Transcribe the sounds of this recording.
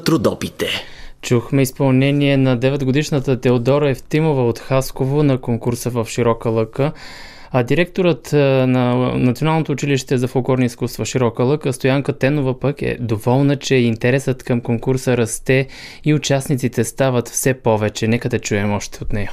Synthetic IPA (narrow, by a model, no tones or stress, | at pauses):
t̪ɾʊd̪ɔpit̪ɛt͡ʃuxmɛispɐlˠnɛniɛnɐd̪ɛvɛd̪ɡod̪iʃnət̪ət̪ɛod̪ɔɾɛft̪imovəot̪xaskovonɐkoŋkuɾsəvəfʃiɾɔkəlˠɤkə | ɐd̪iɾɛk̚t̪oɾət̪nɐnɐt̪sionalˠnot̪oʊːt͡ʃiliʃt̪ɛzɐfolˠkɔɾniiskust̪vɐʃiɾɔkəlˠɤkəst̪ojaŋkət̪ɛnovəpəkɛ̰d̪ovɔlˠnət͡ʃɛint̪ɛɾɛsət̪kɐmkoŋkuɾsəɾɐst̪ɛ | iʊt͡ʃasnit̪sit̪ɛst̪avət̪fsɛpɔvɛt͡ʃɛnɛkəd̪ɐt͡ʃuɛmɔʃt̪ɛot̪nɛjɐ